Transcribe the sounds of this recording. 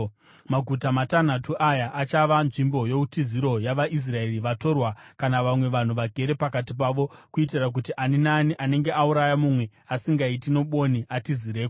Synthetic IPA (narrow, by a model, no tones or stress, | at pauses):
maɡʱutamatan̤atuʔajaʔːt͡ʃaʋanʐimbo̞jo̞utiziɾo̞jaʋaʔis̬rae̞riʋato̞rwakanaʋamwe̞ʋan̤uʋaɡʱe̞ɾe̞pakat̬ip̬aʋo̞kuit̬irak̬utiʔaninaniʔane̞ŋɡe̞ʔauɾajamumwe̞ | asiŋɡaitino̞ɓo̞niatizireːko